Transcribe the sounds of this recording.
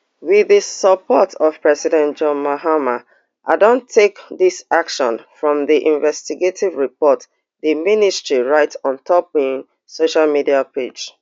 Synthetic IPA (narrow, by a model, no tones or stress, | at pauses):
wiðəsəpʰɔtʰɔv̥pɹɛsidɛ̃ntd͡ʒɔ̃nmaɦama | ʔaɪdõntʰekðisakʃɔ̰̃nfɹɔ̃mðiʔĩnvɛstiɡetʰivɹipɔt | ðəministɹ̥iɹaɪtɔ̃ntʰɔp̚ĩŋ | soʃalmidiapʰed͡ʒ